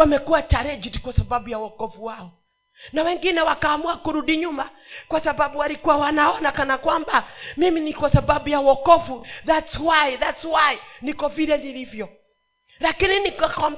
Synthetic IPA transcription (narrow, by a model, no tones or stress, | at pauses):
wamɛkuwat͡ʃaɾɛd͡ʒiti̥kwasababujawɔkɔfuwaɔ | nawɛŋɡinɛwakaːmuakuɾudiɲumakwasababuwaɾikuwawanaɔnakanakwambamiminikwasababujawɔkɔfuðatswaiðatswainikɔviɾɛniɾivjɔ | lakininikakam